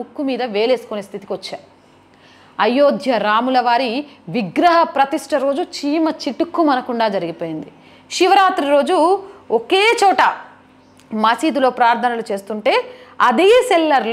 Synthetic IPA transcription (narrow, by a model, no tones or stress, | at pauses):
ukːumiːd̪ɐʋe̞ːle̞ːsu̥kuneːst̪ʰit̪i̥kiʋɐt͡ʃːaː | ɐjoːd̪ʱjɐɾaːmulɐʋaːɾiʋiɡɾɐɦɐpɾɐt̪iʂʈɐɾo̞ːd͡ʒut͡ʃiːmɐt͡ʃiʈukːumɐnɐkuɳɖaːd͡ʒɐɾiɡipo̞ːjind̪i | ʃiʋɐɾaːt̪ɾiɾo̞ːd͡ʒuoke̞ːt͡ʃɔːʈɐ | mɐsiːd̪ulo̞ːpɾaːɾt̪ʰɐnɐlut͡ʃe̞ːst̪uɳʈe̞ːɐd̪eːsɛlːɐɾl